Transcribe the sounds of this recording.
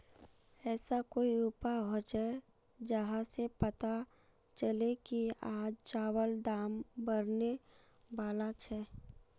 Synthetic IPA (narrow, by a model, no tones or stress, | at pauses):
ɛːsakoːiupaɦot͡ʃɛ | d͡ʒəɦãsepət̪a | t͡ʃəlekiaːd͡ʒt͡ʃaːwəld̪aːmbəɾne | ʋaːlat͡ʃʰɛː